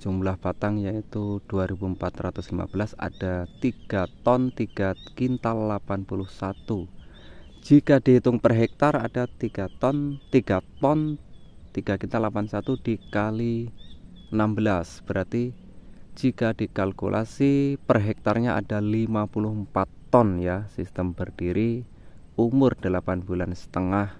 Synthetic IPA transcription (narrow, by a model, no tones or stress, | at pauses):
d͡ʒumblahb̥at̪aŋjait̪ud̥uaɾibuəmpat̪rat̪ʊslima̰bəlasa̰d̥at̪iɡ̥at̪ɔnt̪iɡ̥akint̪alːapanpulʊhsat̪u | d͡ʒikadiɦit̪ʊŋpərɦɛk̚t̪arad̥at̪iɡ̥at̪ɔnt̪iɡat̪ɔnt̪iɡ̥akint̪alapansat̪ud̥ikali | ənambəlasb̥əɾart̪i | d͡ʒikad̥ikalkṵlʔa̰sipərɦɛk̚t̪arɲaʔa̰d̥alimapulʊhmpat̪ːɔnjasist̪əmbərd̥iɾi | umʊrdəlapanbulansə̥t̪əŋah